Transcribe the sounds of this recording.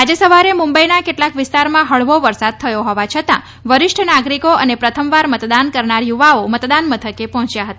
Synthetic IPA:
ad͡ʒəsəʋaɾemũmbəinakeʈlakʋɪst̪aɾmãɦəɭʋoʋəɾsad̪̚t̪ʰəjoɦɔʋat͡ʃʰət̪ã̰ | ʋəɾɪʃʈʰənaɡɾikoənepɾət̪ʰəmʋaɾmət̪d̪ankəɾɳaɾjuʋaomət̪d̪anmət̪ʰəkepɔɦɔ̃t͡ʃjaɦət̪aa

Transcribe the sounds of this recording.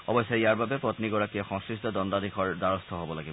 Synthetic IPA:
ɔbɔjsːajiaɹbabɛpɹɔt̪niɡɔɹakijɔxɔ̃ŋskɹistɔdɔndadixʰɔɹdaɹɔst̪ʰɔɦobɔlaɡibɔ

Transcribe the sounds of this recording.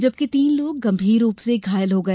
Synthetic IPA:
d͡ʒɐb̚kit̪iːnloːɡɡɐ̃mbʱiːɾːuːpseɡʱaːjəlɦoɡɐ

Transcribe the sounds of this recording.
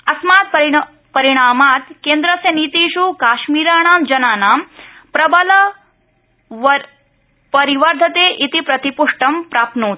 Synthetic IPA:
ɐsmaːt̪̚pɐɾ | pɐɾiɽ̃aːmaːt̪keːnd̪ɾɐsjɐniːt̪iːʃukaːʃmiːɾaːɳ̃aːmd͡ʒɐnaːnaːmpɾɐbɐlɐ | pɐɾiʋɐɾd̪ʱɐt̪eːʔit̪ipɾɐt̪ipuʂʈɐmpɾaːp̚noːt̪

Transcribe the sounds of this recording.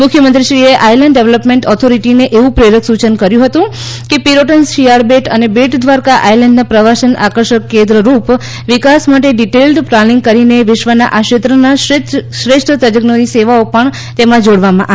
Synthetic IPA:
mʊkʰjəmənt̪ɾiʃɾieʔajləɳɖːeʋləpmẽɳʈɔt̪ʰoɾiʈineʔeʋũpɾeɾəksut͡ʃənkəɾjũɦət̪ũ | kepiɾoʈənʃijaɾbeʈənebeʈd̪ʋaɾkaʔajlɛɳɖnapɾəʋasənakəɾʃəkːẽnd̪ɾəɾup | ʋɪkasmaʈeɖiʈelɖplalĩŋɡ̚kəɾineʋɪʃʋəna̰ʔaʃet̪ɾənaʃɾeʃʈʰət̪əd͡ʒəɡnoniseʋaopəɳ | t̪emãd͡ʒoɽʋamãʔa

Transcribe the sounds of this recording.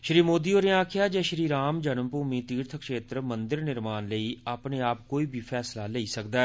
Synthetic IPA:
ʃɾiːmoːd̪iːoːɾɪãːkʰɪjaːd͡ʒɛːʃɾiːɾaːmd͡ʒənəmpuːmiːt̪iːɾt̪ʰəkʃeːt̪ɾmə̃nd̪ɪɾnɪɾmaːnləiːaːpneːaːp̚koːiːbʱiːpʰɛːslaːləiːsəkd̪aːɛː

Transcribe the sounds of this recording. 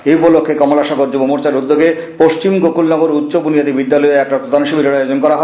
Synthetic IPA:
eupolokʰːekɔmolaʃɔɡoɾd͡ʑubomuɾt͡ɕaɾud̪ːoɡe | poʃt͡ɕimɡokulnɔɡoɾut̪ːɕobunijat̪ibid̪ːalɔeɛkʈap̪ɾot̪anʃibiɾoɽajod͡ʑonkɔɾaɦɔe

